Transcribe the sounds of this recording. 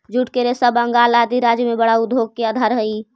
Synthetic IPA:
d͡ʒuʈkeɾesəbəŋɡaːlaːd̪iɾaːd͡ʒjəmẽbəɽaʊd̪ʱoːɡ̚keəd̪ʱaɾɦəi

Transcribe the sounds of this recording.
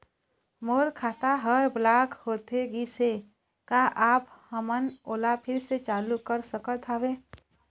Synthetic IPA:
moːɾkʰaːt̪aɦəɾblaːkhoːt̪eɡise | kaʔaːphəmənoːlapʰɪɾset͡ʃaːlukəɾsəkət̪ʰaːwe

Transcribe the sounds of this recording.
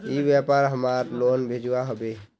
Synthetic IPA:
ibjepaɾɦəmaɾlonbʱed͡ʒuwaɦəbe

